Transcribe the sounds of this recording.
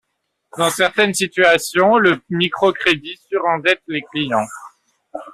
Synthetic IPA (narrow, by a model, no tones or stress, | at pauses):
d̪ɑ̃sɛʁt̪ɛnsit̪yasjɔ̃ləmikχɔkχed̪isyʁɑ̃d̪ɛt̪leklijɑ̃